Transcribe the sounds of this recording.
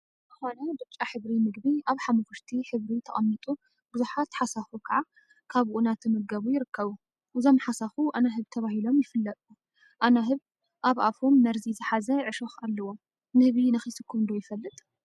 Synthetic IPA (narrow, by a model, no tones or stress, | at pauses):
zɨxonɐd̪ɨɾt͡ʃʼːaħɨβɾimɨɡbiʔaβħamɐfɨʃt̪ʰiħɨβɾit̪ʰɐχʼɐmːɨt̪ʼu | bɨzuħat̪ħasafukʰɐʕa | kʰaβunat̪ɨmɨɡɐβujɪɾɨkːɐβu | ʔɨzo̞mħasafuʔanaɦɨβt̪ʰɐβahilo̞mjɪfɨlːɐt̪ʼu | ʔanaɦɨβ | ʔaβʔafomːɐɾzizɨħazɐʕɨʃoxalːɐwo̞m | mɨɡβinɐxisɨkʰːumnd̪ojɪfɐlːɨt̪ʼ